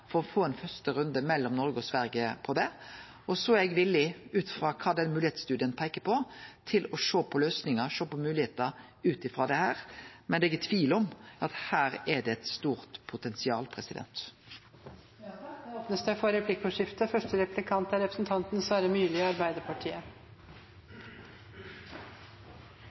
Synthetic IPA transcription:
fɔɾɔfoːɛnfœst̪əɾʉnd̪əmɛlːɔmnɔɾɡəɔsʋæɾɡəpʰɔd̪ɛ | ɔsɔɛɛɡʋɪlːɪʉːt̪fʁɑːkʰɑːd̪ɛnmʉːlɪheːt̪st̪ʉːd̪ɪənpʰæɪkəpʰɔt̪ʰɪlɔʂoːpʰɔløːsnɪŋəʂoːpɔmʉːlɪheːt̪ə | ʉːt̪ɪfʁɑd̪ɛhæːɾmɛnd̪ɛɛɡɛt̪ʰːʋiːlɔmɑt̪hæːɾɛd̪ɛɛt̪st̪uːʁt̪pʰʊt̪ɛnsɪɑ̰ːlpʰɾɛsɪd̪ɛ̰nt̪ | pnəsd̪æɪfɔɾɛpʰlɪkːɔʂɪft̪əfœʂʈəɾɛplɪkʰɑnt̪æɾɛpɾəsn̩t̪ʰɑnt̪n̩sʋɑːɾəmyːlɪɔɑɾbæɪd̪əɾpʰɑʈʰiːə

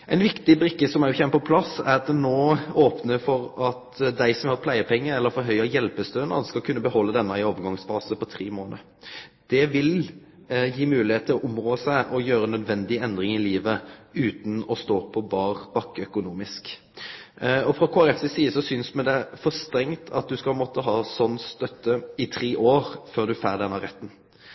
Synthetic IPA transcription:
ʔæɪnʋɪkt̪ɪbɾɪkːəsɔmæɾjʊçɛmːəpɔpʰlɑsæ̰ɾɑt̪̚d̪ɛnoːoːpnəfɔɾɑt̪d̪æɪsɔmhɑt̪pʰlæɪəpʰɛŋːəɛlːəɾfɔɾɦœʏɑjɛlpəst̪øːnɑ̰skɑlkʰʉnːəbəhɔlːəd̪ɛnːəɪoːʋəɾɡɑŋsfɑːsəpɔt̪ʰʁiːmoːnə̰ | d̪̥ɛʋɪl | jiːmʉːlɪheːt̪ʰːɪlɔʔʊmʁoːsæɪʔɔjøːɾənːœd̪ʋɛnd̪ɪɛnd̪ɾɪŋɪliːʋəʉːt̪n̩ɔst̪oːpʰɔbɑːʁb̥ɑkːəœkʊnuːmɪsk | ɔfʁɔkʰoːæʁɛfsɛsiːəsɔsʏnsmɛd̪ɛfɔʁst̪ɾɛŋt̪ʰɑ̰t̪̚d̪ʉskɑp̪mɔt̪ːəɦɑːsɔnːst̪œt̪ːəɪt̪ʰʁeːʔoːʁføːʁd̪ʉfæːʁd̪ɛnɑʁɛt̪ːn̩

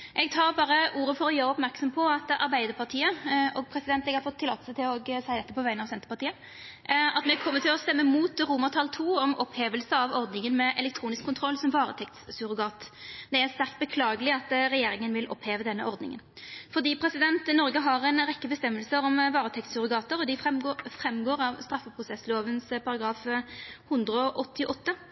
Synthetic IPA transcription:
ʔɛɡ̚t̪ʰɑːʁbɑːɾəʔuːɾəfɔɾɔjøːɾəɔpmæʁksɔmpʰɔɑt̪ʔɑɾbæɪd̪əʁpʰɑʁt̪ʰiːəɔɡ̚pʰɾɛsɪd̪ɛnt̪ɛɡhɑɾfɔt̪ʰːɪlɑt̪ːəsət̪ɪlɔɡsæɪd̪ɛt̪ːəpʰɔʋæɪənɑʋsɛnt̪ə̥pɑʁt̪iːə | ɑt̪mɛkʰɔmːət̪ʰɪlɔst̪ɛmːəmuːt̪ʁuːməʁt̪ʰɑlt̪ʰuːɔmʔɔpheːʋəlsəɑʋɔʁd̪nɪŋənmɛʔɛlɛk̚t̪ʰɾuːnɪskʰːʊnt̪ʰʁɔlːsɔmʋɑːʁə̰t̪ʰɛk̚t̪ssʉɾɡɑːt̪d̪ɛæʁst̪æʁkt̪bəkʰlɑːɡəlɪɑt̪ʁɛjeːɾɪŋənʋɪlʔɔ̰pːheːʋəd̪ɛnːəʔɔʁd̪nɪ̰ŋə̰nfɔʁd̪iːpʰɾɛsɪd̪ɛnt̪nɔʁɡəɦɑʁɛnʁɛkːəbəst̪ɛmːəlsəɾɔmʋɑːɾʁət̪ʰɛkt̪sʉɾʊɡɑːt̪əɾɔd̪ɪfʁɛɡofɾɛmːɡoːʁɑʋst̪ɾɑfːəpʰʁʊsɛsloːʋənspʰɑɾɑɡɾɑːfhʉnd̪ɾəɔʔɔt̪ːɪʔɔt̪ːə

